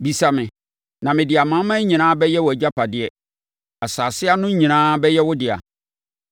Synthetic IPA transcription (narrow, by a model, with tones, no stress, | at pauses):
bi˨sa˨mɪ̃˨ | nã˨mɪ̃˨dɪ˨a˨mã˦mã˦ɲĩ˨nãː˦bɛ˦jɛ˦wɔ˨æ˨d͡ʑa˦pʰa˨dɪ˦ɛ˦ | a˨saː˨sɪ˦a˦nʊ̃˦ɲĩ˨nãː˦bɛ˦jɛ˦wʊ˦dɪ˨a̰˨